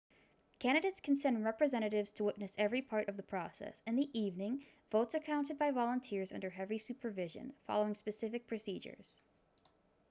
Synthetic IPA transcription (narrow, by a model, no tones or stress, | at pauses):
kʰæ̃ɾ̃dɨɾeɪtskʰn̩sɛ̃ndɹɛpɹɨzɛ̃ɾ̃ɨɾɪvz̥tʰəwɪʔⁿnɨsɛvɹipʰɑɹɾʔʌvðəpʰɹ̥ɔsɛ̰sɨ̃nðiʔivnɪ̃ŋ | voʊtsɨkʰãʊ̃ntɨd̚baɪvɑlˠə̃ntʰɪɹzʌ̰̃ndə˞ɦɛvisʉpʰə˞vɪʒɨ̰̃nfɑ̰lˠoʊɪ̃ŋspɨsɪfɨk̚pʰɹ̥ɨsid͡ʒə̰˞z̥